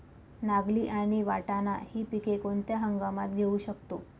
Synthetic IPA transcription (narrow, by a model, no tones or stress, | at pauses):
naɡliːʔaɽ̃iʋaʈana̰hiːpikekoɳt̪jaɦəŋɡamat̪̚ɡʱeuːɕəkt̪o